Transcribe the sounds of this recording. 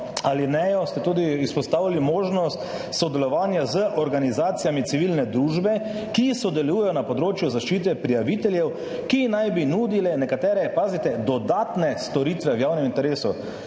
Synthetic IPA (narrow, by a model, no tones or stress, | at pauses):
alinɛjɔst̪ɛt̪uːd̪iispɔst̪aːwalimoːʒnɔst̪ | sɔd̪ɛlɔʋaːnjazəʔɔɾɡanizaːt̪sijamit̪siʋilnɛd̪ɾuːʒbɛ | kisɔd̪ɛlujɛjɔnapɔd̪ɾoːt͡ʃjuzaʃt͡ʃiːt̪̬ɛpɾijaʋit̪ɛljɛw | kinajbinuːd̪ilɛnɛkat̪ɛːɾɛpaːzit̪ɛd̪ɔd̪at̪nɛst̪ɔɾit̪ʋɛwjaːwnɛmint̪ɛɾeːsu